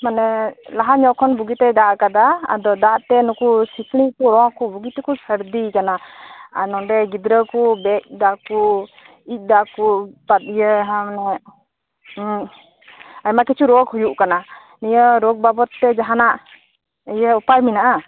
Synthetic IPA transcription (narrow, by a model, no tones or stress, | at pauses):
manɛlaɦaɲɔʔkʰɔnbuɡit̪ɛd̪aʔkad̪aa̰d̪ɔd̪aʔt̪ɛnɔkusikɽ̃ikuɾɔ̃akubuɡit̪ɛkusəɾd̪ikanaa̰nɔɖɛɡid̪ɾəkubɛc̚d̪aʔku | ic̚ˀd̪akupat̪̚ijəɦãmanɛ | ajmakɛt͡ʃʰuɾɔkhujuʔkana | nijəɾɔɡ̚babɔt̪ːɛd͡ʒaɦanaʔ | ɛjəupajminaʔa